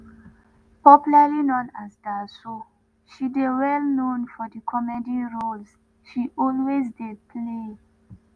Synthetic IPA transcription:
pɔpjulalinɔ̃nasdaso | ʃidewɛlnõnfɔdəkʰɔmɛdiɹols | ʃiʔɔlwezdepʰle

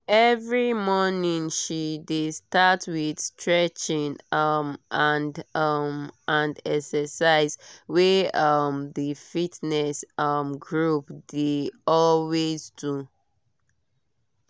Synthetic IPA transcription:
ɛvɹimɔnĩŋʃidestatwid̥stʰɹɛt͡ʃĩŋʌmʔandʌmãndɛksəsaɪzweʌmðəfitnɛsʌmɡɹupdeɔlwezdu

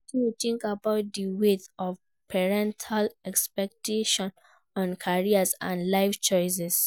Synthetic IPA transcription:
tijtĩŋkabaʊt̚diwetɔf | pʰɛɹɛ̃ntʰalɛkspɛk̚tʰeʃɔ̃n | ɔ̃nkʰaɹiasã̰nlaɪft͡ʃɔɪs̬ɛs

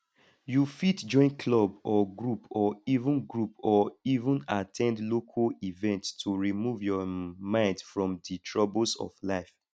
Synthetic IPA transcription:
jufitd͡ʒɔ̃ɪ̃nkʰlɔbɔɡɹupɔivũnɡɹupɔivə̃natʰɛ̃ndlokʰalivɛ̃ntstʰuɹimuvjɔmãɪ̃ndfɹɔ̃mditʰɹɔbəlsɔ̰vlaɪf

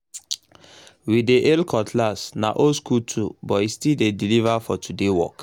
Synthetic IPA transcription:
wideʔelkʰɔtʰlasna̰ʔoskutʰubɔistildedilivafɔtʰudewɔ̰k

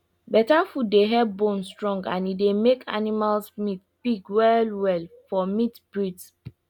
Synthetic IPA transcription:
bɛtãnfutdeɦɛbõnstɹɔ̃ŋɡã̰nidemekʰa̰nimalsmitb̥iɡwɛlwɛlfɔmitbɹits

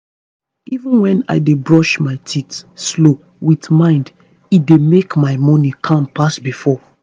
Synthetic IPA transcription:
ivə̃nwɛ̃na̰ɪdebɹɔʃmaɪtʰitslo | witmãɪ̃nd | idemekmaɪmɔnikʰãmpasbifɔ

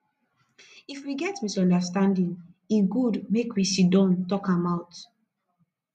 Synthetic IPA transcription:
ifwiɡɛtmisɔ̃ndastãndĩnĩnɡudmekwisidɔ̃ntɔkãmaʊt

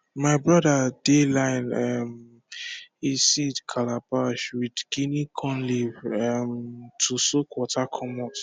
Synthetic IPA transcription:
maɪbɹɔdadelãɪnam | isidkʰalapaʃwidɡinikʰɔ̃nlivamtʰusokwɔtakʰɔmɔt

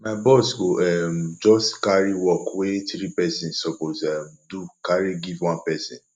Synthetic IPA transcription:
maɪbɔsɡoʔɛmd͡ʒɔskaɹiwɔkwetiɾipɛsĩnsɔposɛmdukaɾiɡivwɔ̃npɛsĩn

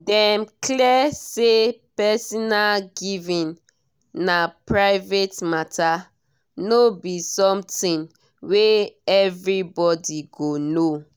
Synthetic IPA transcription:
dɛmkliɛsepɛsɔnalɡivĩn | napɹaɪvetmata | nobisɔ̃mtĩn | weɛvɹibɔdiɡono

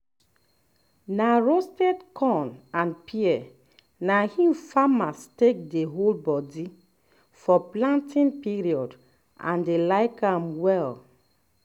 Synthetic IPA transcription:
naɹostɛdkʰɔ̃nãnpʰiɛ | nahĩmfamastek̚deɦolbɔdi | fɔplãntĩnpiɹiɔd | ʔã̰ndelaɪkãmwɛl

